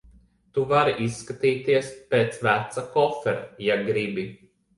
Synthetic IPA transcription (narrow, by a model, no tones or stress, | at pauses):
t̪uvaɾiʔisːkat̪iːt̪iɛspeːt̪svæt̪sakɔfɛɾjaɡɾibi